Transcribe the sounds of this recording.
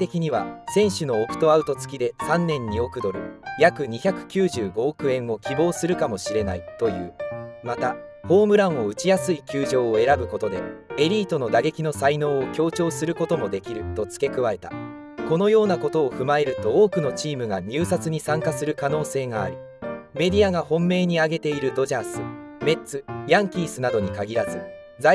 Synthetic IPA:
t̪e̞kʲiɲ̟iβa̰sẽ̞ɰ̃ɕɨno̞ːkɯ̟̥t̪oaɯ̟t̪o̞t͡sɨ̥kʲid̪e̞sãnːẽ̞ɲ̟ːio̞kɯ̟d̪o̞ɾɯ̟jakɯ̟ɲ̟içʲakɯ̟̥kʲɨːʑɨːɡo̞ːkɯ̟ẽ̞ɰ̃o̞kʲibo̞ːsɨɾɯ̟kamo̞ɕiɾe̞nait̪o̞jɯ̟̰ːmat̪aho̞ːmɯ̟ɾãɰ̃o̞ɯ̟t͡ɕijasɨikʲɨːʑo̞ːe̞ɾabɯ̟ko̞t̪o̞d̪e̞e̞ɾʲiːt̪o̞no̞d̪aɡe̞kʲino̞saino̞ːokʲo̞ːt͡ɕo̞ːsɨɾɯ̟ko̞t̪o̞mo̞d̪e̞kʲiɾɯ̟t̪o̞t͡sɨ̥ke̞kɯ̟βae̞t̪a̰ | ko̞no̞jo̞ːnako̞t̪o̞ːɸɯ̟mae̞ɾɯ̟t̪o̞oːkɯno̞t͡ɕiːmɯ̟ɡaɲʲɨːsat͡sɨɲ̟isãŋkasɨɾɯ̟kano̞ːse̞ːɡa̰ːɾʲi | me̞d̪ʲiaɡahõ̞mːe̞ːɲ̟iaɡe̞t̪e̞iɾɯ̟d̪o̞ʑasɨme̞t͡sɨjãŋkʲiːsɨnad̪o̞ɲ̟ikaɡʲiɾazɨ | d͡za

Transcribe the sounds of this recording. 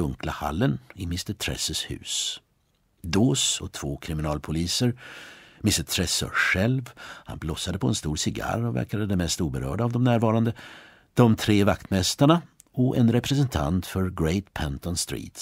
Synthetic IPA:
ɵŋklaha̰lːənɪmɪst̪ətʰɾɛ̰səshʉ̟̰ːs | d̪oːsɔt̪ʰvoːkʰɾɪmɪnɑːlpʰʊliːsəɾmɪst̪ət̪ʰɾɛsɔ̰ɧɛlvha̰nblɔsːad̪əpʰɔɛnst̪uːɾsɪɡa̰ɾɔvæ̰ɾkad̪əd̪ɛmɛst̪uːbəɾœ̰ːɖaːvd̪ɔmnæːɾvɑːɾand̪ə | d̪̥ɔmt̪ʰɾeːvakt̪mɛst̪aɳa | ɔɛnɾɛpɾɛs̬ɛnt̪ʰa̰nt̪fœɾɡɾeɪt̪pʰɛnt̪ɔnst̪ɾḭːt̪

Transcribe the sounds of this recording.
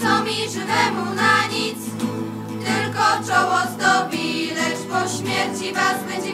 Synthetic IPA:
sɔmʲiʐɘvɛmunaɲit̪s | t̪ɘlkɔt͡ʂɔwɔzd̪ɔbʲilɛʂpɔɕmʲjɛɾt͡ɕivazbɛɲd͡ʑɛ

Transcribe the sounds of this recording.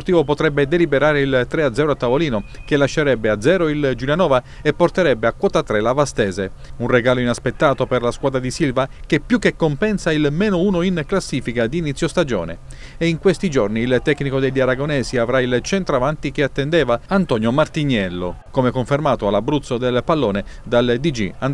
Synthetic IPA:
port̪iːvopot̪ɾɛbːed̪elibeɾaːɾeilt̪ɾead̪zɛːɾoat̪ːavoliːnok̟elːaʃːeɾɛbːead̪zɛːɾoild͡ʒilianɔːva | epːort̪eɾɛbːeakwɔːt̪at̪ːɾelavast̪ɛːze | unreɡaːloinaspet̪ːaːt̪operlaskwaːd̪ɾad̪isilvakepːjukːekːompɛnsailmɛːnouːnoinklasːiːfikad̪iːnit̪sːjost̪ad͡ʒɔ̰ːnḛ | eiŋkwest̪id͡ʒorniːlt̪ɛkːnikod̪eʎːaɾaɡonɛːsiavɾailt͡ʃɛnt̪ɾoavant̪ikeat̪ːend̪ɛːvaant̪ɔnjomart̪iɲːɛlːokomekoɱfermaːt̪oalabːɾut̪sod̪elpalːoːned̪ald̪id͡ʒḭand̪

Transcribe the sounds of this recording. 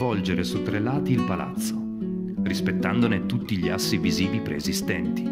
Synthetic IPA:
vɔld͡ʒeɾesut̪ːɾelaːt̪iːlpala̰t̪sːo | rispet̪ːand̪onet̪ut̪ːiʎiasːiviziːvipɾeːzist̪ɛnt̪i̥

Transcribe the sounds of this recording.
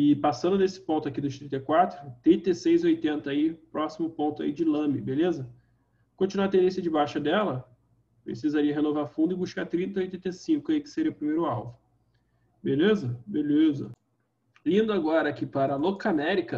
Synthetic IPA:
ɪpasɐ̃nd̪ʊnesɪ̥põnt̪ʊakid̪ʊʃt̪ɾĩnt̪ɐjkwat̪ɾʊt̪ɾĩt̪esejzojt̪ẽnt̪ɐaipɾɔsimʊpõnt̪ʊa̰id͡ʒɪlɐ̃mɪbelezɐ | kõt͡ʃinuat̪ẽnd̪ẽsjɐd͡ʒɪbajʃɐd̪ɛlɐ | pɾḛsizaɾiɐɦenovaɾfũnd̪ʊɪbuʃkaɾt̪ɾĩnt̪ɐojt̪ẽnt̪esĩŋkʊijkɪ̥seɾiɐʊpɾimejɾʊawvʊ | belezɐbelezɐ̰ | lĩnd̪ʊaɡɔɾɐkɪpaɾɐlokamɛɾikɐ

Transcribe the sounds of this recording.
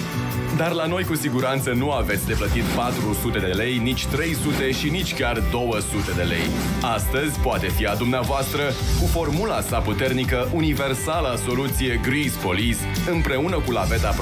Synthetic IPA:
d̪arlano̞jkusiɡuɾant̪sənuavet̪sʲd̪e̞plət̪it̪pat̪ɾusut̪e̞d̪ee̞le̞jnit͡ʃʲt̪ɾe̞jsut̪e̞ʃinit͡ʃʲkʲard̪o̞wəsut̪e̞d̪e̞le̞̰j | ast̪əzʲpoat̪e̞fiad̪umneavoast̪ɾəkufo̞rmulasaput̪e̞rnikəʔunive̞rsaləso̞lut̪sije̞ɡɾizpo̞lis | ɨmpɾe̞unəkulave̞t̪ap

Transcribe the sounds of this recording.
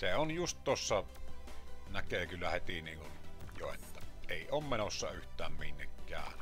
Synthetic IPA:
seonjust̪t̪osːɑ | nækeːˑkylːæhet̪iniːŋkunjo̰ḛt̪ːæeˑioːmmenosːɑyht̪ˑæːmminːekːˑæ̰ːˑn

